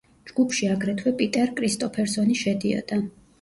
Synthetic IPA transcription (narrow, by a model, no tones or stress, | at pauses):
d͡ʒɡ̥upʰʃiaɡɾɛt̪ʰwɛpʼit̪ʼɛɾkʼɾist̪ʼɔpʰɛɾsɔniʃɛd̪iɔ̰d̪̥a